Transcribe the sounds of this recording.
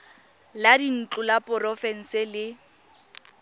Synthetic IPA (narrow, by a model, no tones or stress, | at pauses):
ladin̩t͡ɬʼʊlapʼʊrɔfɛn̩sɪlɪ